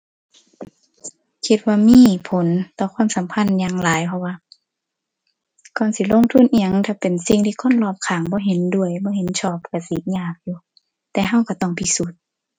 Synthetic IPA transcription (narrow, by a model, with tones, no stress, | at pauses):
kʰi˧t̪̚waː˧miː˧˥˨pʰo˨˦nt̪ɔː˧kʰwaː˧˥˨msa˨˦mpʰa˧˥˨njaː˧˨ŋlaː˨˦jpʰɔ˧waː˧˨ | kɔː˧˨nsi˧˦lo˧˥˨ŋt̪ʰu˧˥˨nʔi˧˨a˧˨ŋt̪ʰaː˧˩pe˨nsi˧ŋt̪ʰiː˧kʰo˧˥˨nlɔː˧˩p̚kʰaː˨˦ŋbɔː˧˦ɦe˨˦ndu˧˩əjbɔː˧˦he˨˦nt͡ɕʰɔː˧˩p̚ka˧˩si˧˦ɲaː˧˩k̚juː˧˦ | t̪ɛː˧ɦa˧˨wka˧˩t̪ɔ˧˩˨ŋp̪ʰi˧su˧˦t̪̚